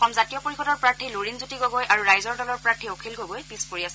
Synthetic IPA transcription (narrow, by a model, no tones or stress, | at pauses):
ɔkɔmzatijɔpoɹixɔdɔɹpɹaɹtʰiloɹinzutiɡoɡɔjʔaɹuɹajzɔɹdɔlɔɹpɹaɹtʰiokʰilɡoɡojpispoɹiasɛ